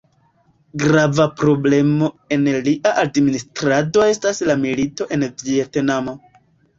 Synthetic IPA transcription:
ɡɾavapɾo̞ble̞mo̞ | e̞nliʔaʔadministɾado̞e̞staslamilito̞ʔe̞nvietnamo̞

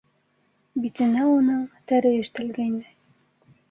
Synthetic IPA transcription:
bit̪ɘ̆næunɤɴt̪æɾɘɘ̆ʃt̪æ̆lɡæjnæj

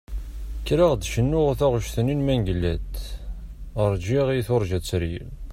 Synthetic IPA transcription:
kːɾaʁd̪ʃənːʊʁθæʁʃθəninmænɡlːæd̪ | əɾˤd͡ʒiʁiθoɾˤʒæt͡sːəɾjḭl

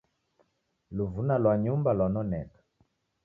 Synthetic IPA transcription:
luvunalwaɲumbalwanɔnɛ̰kḁ

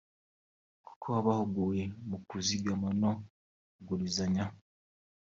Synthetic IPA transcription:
ku̥kʰoaβahuɡujemukuziɡamano | ɡulizaɲa

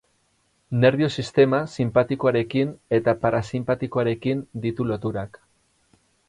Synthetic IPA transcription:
ne̞ɾβio̞sist̪e̞masimpat̪iko̞aɾe̞kine̞t̪apaɾasimpat̪iko̞aɾe̞kind̪it̪ulo̞t̪uɾak

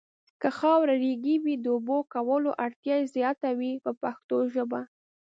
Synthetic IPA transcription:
kəxɑwɾaɾeɡiwid̪əʊbokawəloʔaɽt̪jɑjezjɑt̪awipəpaxt̪oʒəba

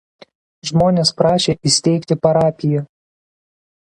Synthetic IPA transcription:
ʒmoːnʲɛspɾɑːʃʲeʔisʲt̪ʲɛjkt̪ʲɪpɐɾɑːpʲɪjɛ

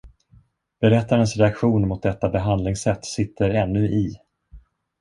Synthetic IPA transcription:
b̥ɛɾɛt̪ːaɾənsɾɛakɧuːnmʊt̪̚d̪ɛt̪ːabɛɦand̪lɪŋsɛt̪ːsɪt̪ʰːəɾɛnːɵʔɪ

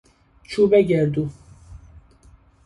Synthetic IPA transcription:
t͡ʃʰubɛɡɛɾd̪u

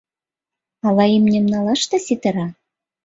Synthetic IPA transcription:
ɑlɑimnʲɘ̆mnɑlɑʃt̪ɤ̆sit̪ɘ̆ɾɑ

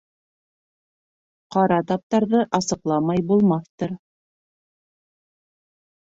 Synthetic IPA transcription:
qɑɾɑt̪ɑp̚t̪ɑɾðɤʔɑsɤ̆qlˠɑmɑjbulˠmɑθt̪ɤɾ

